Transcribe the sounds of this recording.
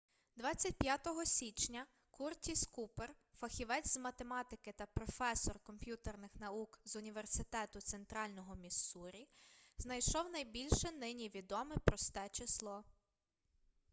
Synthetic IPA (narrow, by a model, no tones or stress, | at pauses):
d̪ʋɑt͡sʲːɐt̚ʲpʲjat̪ɔɦɔsʲit͡ʃnʲɐ | kurtʲiskuperfɐxʲiʋɛt͡sʲzmɐt̪emɑt̪ɪkɪt̪ɐpɾɔfɛsɔrkɔmʲpʲjut̪ernɪxn̪ɐukzʊnʲiʋersɪt̪ɛt̪ʊt̪sent̪ɾɑlʲnɔɦɔmʲisuɾʲiznɐjʃɔwnɐjbʲilʲʃɛnɪnʲiʋʲid̪ɔmɪpɾɔst̪ɛt͡ʃɪslˠɔ